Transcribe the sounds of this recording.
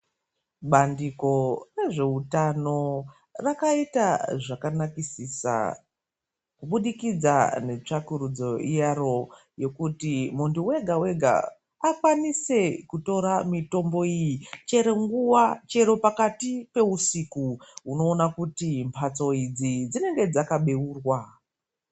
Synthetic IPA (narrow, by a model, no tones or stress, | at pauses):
ɓandiko̞re̞ʐe̞utano̞ | rakaitaʐakanakisisa̰ | kuɓuɗikid͡za̰ne̞t͡ʂakuɾud͡zo̞ijaro̞ | je̞kutimuntuwe̞ɡʱawe̞ɡʱa̰ | akwanise̞kuto̞ɾamito̞mbo̞ijit͡ʃe̞ɾe̞ŋɡuwat͡ʃe̞ɾo̞pakatipe̞usikuuno̞ːnakutimpʰat͡so̞id͡zid͡zine̞ŋɡe̞d͡zakaɓe̞uːrwa